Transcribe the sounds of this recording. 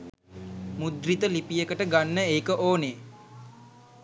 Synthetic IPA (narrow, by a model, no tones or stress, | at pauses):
mud̪rit̪əlipijəkəʈəɡanːəeːkəʔoːne